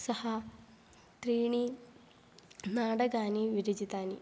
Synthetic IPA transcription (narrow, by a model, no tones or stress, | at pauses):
sɐhɐ | t̪ɾiːɳi | naːɽɐɡaːniʋiɾid͡ʒit̪aːnḭ